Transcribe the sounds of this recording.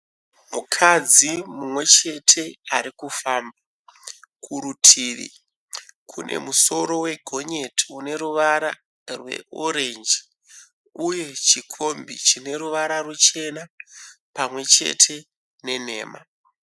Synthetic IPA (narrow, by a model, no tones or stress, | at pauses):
mukʰad͡zimumwe̞t͡ʃe̞tʰe̞aɾikufaːmba | kʰuɾutʰiʋḭ | kʰune̞̰muso̞ɾo̞we̞ɡʱo̞ɲe̞tiune̞ɾuʋaɾa | rwe̞̰ʔoɾe̞nd͡ʒi̥ | uje̞t͡ʃikʰo̞mbit͡ʃine̞ɾuʋaɾarut͡ʃe̞napamwe̞t͡ʃe̞̰tʰe̞ | ne̞n̤e̞̰ːma̰